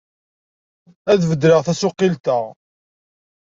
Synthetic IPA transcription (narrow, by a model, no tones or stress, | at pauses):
æðvəd̪ɾəʁθæsʊqːilt̪əʁ